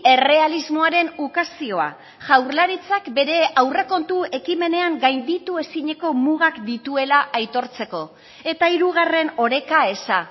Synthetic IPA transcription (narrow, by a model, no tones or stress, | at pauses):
e̞re̞alizmo̞aɾe̞nukasio̞a̰ | ʝawɾlaɾit͡sakbe̞ɾe̞awreko̞nt̪ue̞kime̞ne̞aŋɡajnd̪it̪ue̞siɲe̞ko̞muɣ̞akd̪it̪ue̞laʔajt̪o̞ɾt͡se̞ko̞ | e̞t̪aiɾuɣ̞are̞no̞ɾe̞kae̞sa